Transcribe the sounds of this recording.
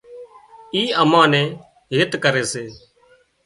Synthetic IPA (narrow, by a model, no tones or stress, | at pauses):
iːəmãːnɛ̃ː | ɦeːt̪kəɾeːseː